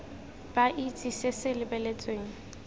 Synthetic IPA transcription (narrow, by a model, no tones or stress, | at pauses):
b̥aʔit͡sʼisɪsɪlɪbɛlet͡sʼweːŋ̩